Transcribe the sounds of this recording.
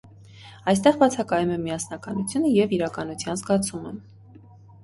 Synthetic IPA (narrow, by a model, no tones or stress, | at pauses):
ɑjst̪ɛʁbɑt͡sʰɑkɑjumɛmiɑsnɑkɑnut͡sʰjunəjɛviɾɑkɑnut͡sʰjɑnzɡɑt͡sʰumə